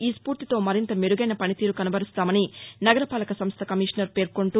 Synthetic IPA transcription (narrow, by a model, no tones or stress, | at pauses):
iːspuːɾt̪it̪o̞ːmɐɾint̪ɐmeɾuɡɐjnɐpɐnit̪iːɾukɐnubʱɐɾist̪aːmɐninɐɡɐɾɐpaːlɐkɐsɐmst̪ʰɐkɐmiːʂɐnɐɾpe̞ːɾkoɳʈuː